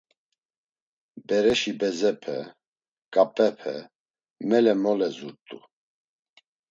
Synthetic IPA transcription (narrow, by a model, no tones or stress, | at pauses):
bɛɾɛʃibɛzɛpʰɛ̰ | ɡ̥ʼapʼɛpʰɛ̰ | mɛlɛmɔlɛzuɾt̪ʼu